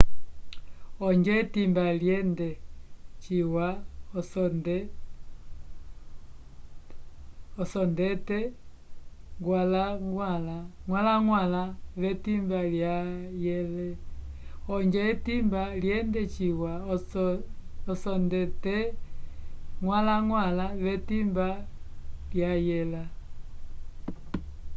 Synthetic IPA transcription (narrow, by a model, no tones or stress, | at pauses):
ɔɲd͡ʒɛtimbaljɛndɛt͡ʃiwaɔsd | ɔsɔndɛtɛ | ŋɡwalaŋɡwalaŋwalaŋwalaβɛtimbaljajɛlɛ | ɔɲd͡ʒɛɛtimbaljɛndɛt͡ʃiwa | ɔsɔndɛtɛ | ŋwalaŋwalaβɛtimba | ljajɛla